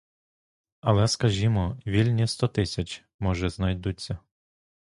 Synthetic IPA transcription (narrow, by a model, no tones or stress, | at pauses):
ɐlˠɛskɐʒʲimɔʋʲilʲnʲist̪ɔt̪ɪsʲɐt͡ʃ | mɔʒɛznɐjd̪utt͡sʲːɐ